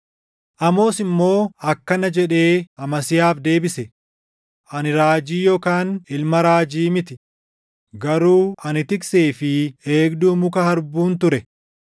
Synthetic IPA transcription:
ʔɐmo̞ːsɪmːo̞ːɐkːɐnɐd͡ʒɛᶑe̞ːɐmɐsɪjaːfd̪e̞ːbɪsɛ | ʔɐnɪɾaːd͡ʒiːjɔkaːnɪlmɐɾaːd͡ʒiːmɪt̪ɪ | ɡɐɾuːɐnɪt̪ɪkse̞ːfɪeːɡd̪uːmʊkɐhɐɾbuːnt̪ʊɾɛ

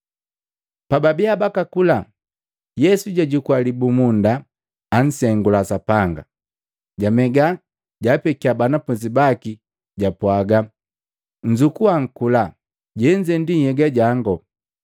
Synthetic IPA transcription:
pababiabakakula | jɛsuɟaɟukwalibumundaː | n̩sɛŋɡulasapaŋɡa̰ | ɟamɛɡa | ɟapɛkiabanapuzibaki | ɟapwaɡa | ɲ̩d͡ʒukuaŋ̩kula | ɟɛɲd͡ʒɛndinhɛɡaɟaŋɡɔ

